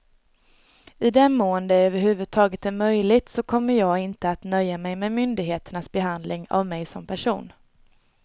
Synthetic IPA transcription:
ɪd̪ɛnmoːənd̪əøːvəɾhʉ̟ːvɵd̪̚t̪ʰɑːɡət̪æɾmœjlɪt̪sɔkʰɔmːəɾjɑːɡɪnt̪əat̪nœjːamɛjmɛmʏnd̪ɪɡɦeːt̪əɳasbɛɦand̪lɪŋa̰vmɛjsɔmpʰæʂṵːn

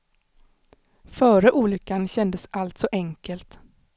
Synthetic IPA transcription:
fœːɾəʔuːlʏkːanɕɛnd̪əsʔalt̪sɔʔɛŋkəlt̪

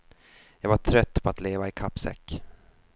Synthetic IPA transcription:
jɑːɡvaʈʰɾœt̪ːpʰɔat̪leːvaɪkʰapːsɛ̰kː

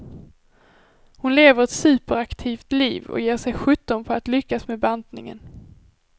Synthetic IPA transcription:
hʊnleːvəɾɛt̪sʉ̟ːpəɾakt̪ʰiːft̪liːvɔ̰jeːʂɛjɧɵt̪ːɔnpʰɔat̪lʏkːasmebant̪nɪ̰ŋə̰n

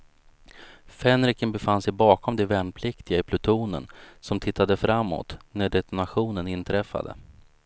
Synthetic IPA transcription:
fɛnɾɪkənbɛfansɛjbɑːkʰɔmd̪ɛvɛnpʰlɪkt̪ɪɡaɪpʰlɵt̪ʰuːnə̰nsɔmt̪ʰɪt̪ːad̪əfɾamːo̰ːt̪næɖɛt̪ɔnaɧuːnənɪnt̪ʰɾɛfːa̰d̪ə̰

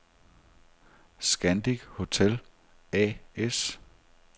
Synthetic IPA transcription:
sɡ̥ænd̥iɡ̥ho̝t͡sʰel | ɛ̰es

